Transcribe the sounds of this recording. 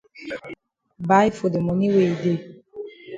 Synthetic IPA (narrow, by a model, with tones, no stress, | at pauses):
ba˨˦i˦fo˨de˨mɔ̃˨nĩ˦we˨i˨de˨